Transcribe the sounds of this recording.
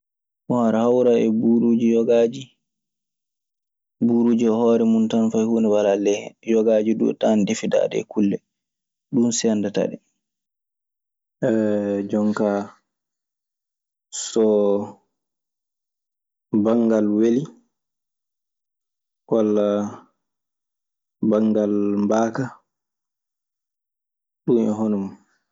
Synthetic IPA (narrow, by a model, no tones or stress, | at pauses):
ʔɔhaɾahawɾaɛbuɾuːd͡ʒijɔɡaːd͡ʒi | buɾuːd͡ʒiɔhɔːɾɛmuntanfajhuːnɛwalalɛjɔɡaːd͡ʒidṵtandefida̰ːdɛ̰kulːɛ | ɗunsiandata̰ɗɛ | ɛd͡ʒɔŋka | sɔ | baŋɡalweli | kala | baŋɡalmbaːka | ɗumɛ̰ɦɔnɔm